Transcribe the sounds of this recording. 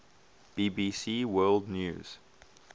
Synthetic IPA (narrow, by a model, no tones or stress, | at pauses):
b̥iːbisiwɜːldnjṵːz̥